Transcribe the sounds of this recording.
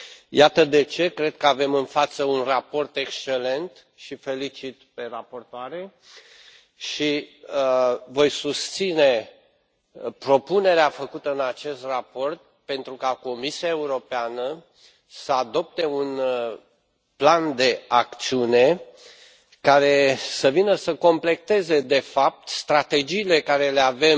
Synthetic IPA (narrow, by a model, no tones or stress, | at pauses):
jat̪əd̪e̞t͡ʃe̞kɾe̞d̪̚kəave̞mɨnfat̪səunrapo̞rt̪e̞kst͡ʃe̞le̞nt̪ | ʃife̞lit͡ʃit̪pe̞rapo̞rt̪oaɾe | ʃi | vo̞jsust̪sine̞ | pɾo̞pune̞ɾeafəkut̪əɨnat͡ʃe̞st̪rapo̞rt̪̚ | pe̞nt̪ɾukako̞misiae̞uɾo̞peanə | səad̪o̞p̚t̪e̞un | pland̪e̞ak̚t̪siune̞ | kaɾe̞səvinəsəko̞mple̞k̚t̪e̞ze̞d̪e̞fap̚t̪st̪ɾat̪e̞d͡ʒiːle̞kaɾe̞le̞ave̞m